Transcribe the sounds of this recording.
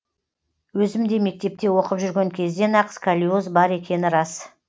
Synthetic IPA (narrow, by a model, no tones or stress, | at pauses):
wɵzɪmd̪e̞me̞k̚t̪e̞p̚t̪e̞wo̞qəpʒʏɾɡʲe̞ŋkʲʰe̞zd̪e̞nɑqskʰalʲiozbɑɾe̞kʲe̞nɪɾɑs